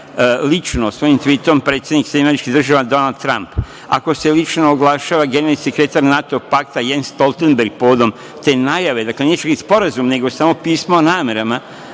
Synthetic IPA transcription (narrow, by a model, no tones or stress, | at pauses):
lit͡ʃnosʋo̞jimt̪ʋit̪ompɾet̪sjeniksed̪imameɾit͡ʃkid̪r̩ʒaʋad̪o̞nald̪̚t̪ɾamp | a̰ko̞se̞lit͡ʃnoːɡlˠaʃaːʋaɡenelisekɾe̞t̪aɾnat̪o̞pak̚t̪ajenst̪o̞lˠt̪enbe̞ɾɡ̚poʋod̪o̞m | t̪e̞najaʋe̞d̪akle̞net͡ʃakispo̞ɾazumne̞ɡo̞saːmo̞piːsmoːnaːme̞ɾama